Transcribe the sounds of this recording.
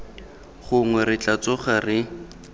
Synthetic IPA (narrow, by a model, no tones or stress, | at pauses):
χʊŋwɛrɪt͡ɬat͡sʊχarɪ